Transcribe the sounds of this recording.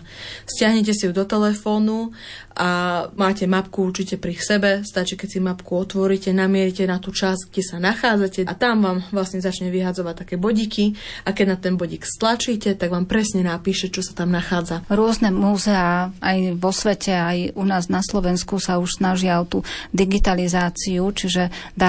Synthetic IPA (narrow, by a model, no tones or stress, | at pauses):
scɪaɦɲɛc̬ɛsijud̪ɔt̪ɛlɛfɔːnu | ʔamaːcɛmapkuurt͡ʃicɛpɾifsɛbɛst̪at͡ʃikɛcʲsimapkuɔt̪ʋɔɾicɛnamɪɛɾicɛnat̪uːt͡ʃasɡɟɛsanaxaːd͡zacɛʔat̪amʋaːmʋlasɲɛzat͡ʃɲɛʋiɦad͡zɔʋac̚t̪akɛːbɔɟikʰiakɛɟnat̪ɛnbɔɟikst̪lat͡ʃiːcɛt̪aɡʋaːmpɾɛsɲɛnapiːʃɛt͡ʃɔsḁt̪amnaxaːd͡zaɾʊɔznɛmuːzɛaajʋɔsʋɛcɛajunaːznaslɔʋɛnskusauʃsnaʒɪaɔt̪ud̪iɡit̪alizaːt͡siut͡ʃiʒɛd̪a